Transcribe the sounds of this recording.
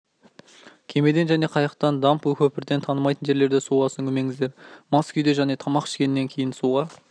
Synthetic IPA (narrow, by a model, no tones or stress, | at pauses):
kʲʰe̞me̞d̪e̞nʒæne̞qʰɑjɑq̚t̪ɑnd̪ɑmpwɵkʲʰɵpɪɾd̪e̞nt̪ʰɑnəmɑjt̪ənʒe̞ɾle̞ɾd̪esuʁɑsəŋkʲʰɵme̞ŋɪzd̪e̞ɾmɑskʲʰʏjd̪e̞ʒæne̞t̪ʰɑmɑqɪ̥ʃkʲe̞nɪnːe̞ŋkʲʰe̞jɪnsuʁɑ